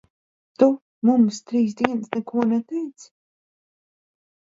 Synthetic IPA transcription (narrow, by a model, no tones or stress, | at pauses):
t̪u | mumst̪ɾiːsd̪iɛnsnɛkuɔnɛt̪ɛjt̪s